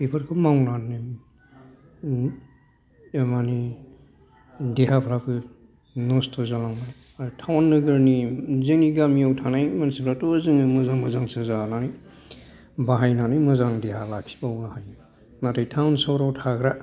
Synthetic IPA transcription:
pipʰəɾkʰɯmawnanːɯ | mani | deɦapʰɾapʰɯ | nɔstʰɔzalaŋmaj | aɾtʰawnːɯɡɯɾnizɯŋiɡamiawtʰanajmansipʰɾatozɯŋɯmɯzaŋmɯzaŋsazananɯj | baɦajnanɯjmɯzaŋdeɦalaksi̥bawnahajn | natajtʰawnsɔwɾawtʰaɡɾa

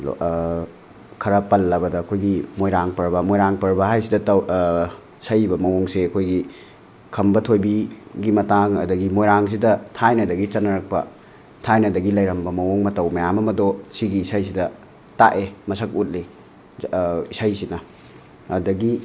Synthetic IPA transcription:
kʰɐɾɐpɐlːɐbɐdɐːkʰojɡimojɾaŋpɐɾbɐmojɾaŋpɐɾbɐhajsidɐ | sɐjbɐmɐwoŋseɐkʰojɡi | kʰɐmbɐtʰojbiɡimɐtaŋɐ̰dɐɡimojɾaŋs̬idɐtʰajnɐdɐɡit͡ʃɐnɐɾɐk̚pɐ̰ | tʰajnɐdɐɡilɐjɾɐmbɐmɐwoŋmɐtɐwmɐjamɐmɐdosiɡiːsajsidɐ | ta̰ʔemɐsɐk̚ut̚li | isajsinɐ | ɐdɐɡi

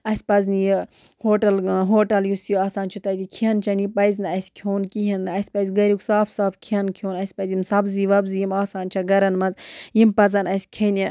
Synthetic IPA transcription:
ɐsʲpɐzniji | hoːʈɐlɦoːʈɐljusjoaːsaːnt͡ʃʰut̪ɐt̪ikʰiɐnt͡ʃʰɐnipɐjzʲnɨɐsʲkʲʰjoːnkiɦɐnɨɐsʲpɐzʲɡɐɾiksaːfsaːfkʰiɐnkʰoːnɐsʲpɐzʲimsɐbziʋɐbzijimaːsaːnt͡ʃʰɐɡɐɾɐnmɐnzjimpɐzɐnɐsʲkʰɐni

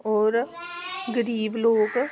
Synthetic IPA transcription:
ɔːɾ | ɡəɾiːbloːɡ

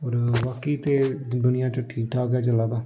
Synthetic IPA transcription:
ɦoːɾʋaːkiːt̪eːd̪ʊnɪjãːt͡ʃəʈʰiːkʈʰaːɡɛːt͡ʃəlaːd̪aː

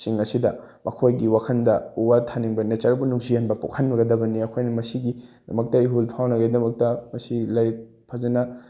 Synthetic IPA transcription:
siŋɐsidɐmʔɐkʰojɡiwakʰɐndɐuwatʰaniŋbɐnɐt͡ʃɐɾɐbunuŋzihɐnbɐpṵkʰɐnbɐɡɐdɐbɐniɐkʰojnɐmɐsiɡidɐmɐk̚tɐiɦulpʰawnɐɡedɐmɐk̚tɐmɐsilajɾit̚ | pʰazɐnɐ

